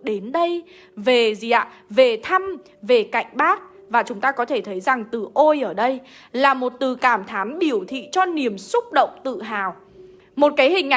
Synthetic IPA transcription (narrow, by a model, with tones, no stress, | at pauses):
ɗe˨˦nɗə˧j | ve˨˩zi˨˩ʔa̰ː˧˨ve˨˩t̪ʰa˧m | ve˨˩ka̰˧˨jŋ̟ɓaː˦˥k̚ | vaː˨˩t͡ɕʊ˨˦ŋ͡mt̪aː˧kɔ˨˦t̪ʰe˧˩t̪ʰə˨˦jza˨˩ŋt̪ɨ˨˩ʔo˧jʔəː˧˩ɗə˧j | laː˨˩mo˨˩t̚t̪ɨ˨˩kaː˧˩mt̪ʰaː˨˦mɓi˧˩əwt̪ʰḭ˧˨t͡ɕɔ˧ni˨˩əmsʊ˦˥k͡p̚ɗə̰˧˨wŋ͡mt̪ɨ̰˧˨ɦaː˨˩w | mo˨˩t̚kaː˨˦jhï˨˩ŋ̟ːʔa˨